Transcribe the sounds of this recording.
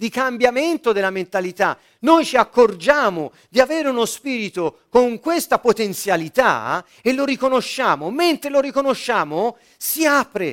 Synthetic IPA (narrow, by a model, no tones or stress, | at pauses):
d̪ikambjament̪od̪elːament̪alit̪a | nojt͡ʃiakːord͡ʒaːmo | d̪iaveːɾeunospiːɾit̪okoŋkwest̪apot̪ent̪sjalit̪a̰ | eloɾikonoʃːaːmoment̪ɾelorikonoʃːaːmo | siaːpɾe